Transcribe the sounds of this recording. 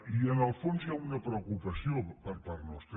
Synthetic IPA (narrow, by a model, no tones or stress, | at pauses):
iənəlˠfonzjaunəpɾeukupəsiopəɾpaɾnɔst̪ɾ